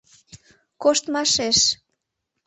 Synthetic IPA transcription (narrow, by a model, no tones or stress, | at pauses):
koʃt̪mɑʃeʃ